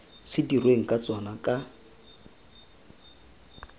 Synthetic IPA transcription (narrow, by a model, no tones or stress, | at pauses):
sɪdirweŋ̩kʼat͡sʼwanakʼa